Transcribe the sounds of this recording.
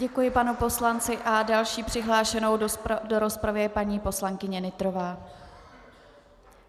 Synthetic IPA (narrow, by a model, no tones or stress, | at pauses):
ɟɛkujɪpanupo̞slant͡sɪʔadalʃiːpr̝̥ɪɦlaːʃɛno̞wdo̞ɾo̞spɾavɪɛpaɲiːpo̞slaŋkɪɲɛnɪt̪ɾo̞vaː